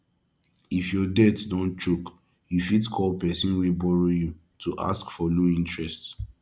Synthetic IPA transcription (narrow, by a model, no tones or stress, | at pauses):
ifjɔdɛtdɔ̃nt͡ʃok | jufitkʰɔlpɛsĩnwebɔɹoju | tʰuʔa̰skfɔloĩntɹɛst